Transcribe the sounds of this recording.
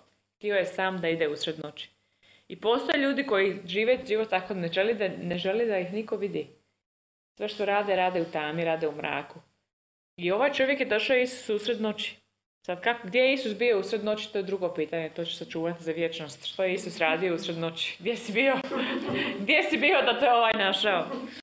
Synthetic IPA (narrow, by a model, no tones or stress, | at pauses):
xt̪io̞jesaːmd̪aid̪eusɾed̪not͡ʃi̥ | ipo̞ːst̪ojeʎuːd̪iko̞jiʒiːʋet̪ʒiʋo̞t̪ːakoneʒelid̪aneʒelid̪aixniko̞ʋid̪i | sʋeʃt̪oɾaːd̪eɾaːd̪eut̪aːmiɾaːd̪eumɾa̰ːku | io̞ʋaːjt͡ʃo̞ʋje̞kjed̪o̞ʃaoisu̥suusɾed̪not͡ʃi̥ | sad̪kakoɡd̪jejeisusbiousɾed̪not͡ʃi̥t̪o̞ːjed̪ɾuɡo̞piːt̪aɲet̪ot͡ɕe̥sat͡ʃuːʋat̪izaʋjet͡ʃno̞st̪ʃt̪ojeisusɾaːd̪io̞usɾed̪not͡ʃi̥ɡd̪jesibio | ɡd̪jesibiːo̞d̪at̪o̞jeoʋajnaʃao